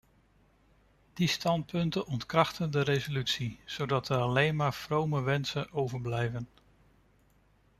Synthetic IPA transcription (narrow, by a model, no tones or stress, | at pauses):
d̥istɑnt̚pɵntənʔɔntkrɑχtəndəɾejzolytsiz̥owdɑtəɹɑlejnmaːɹfrowməʋɛnsənʔowvəɹblɛjvən